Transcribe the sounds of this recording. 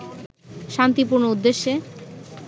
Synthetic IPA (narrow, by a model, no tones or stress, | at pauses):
ʃant̪ipuɾnoud̪ːeʃːe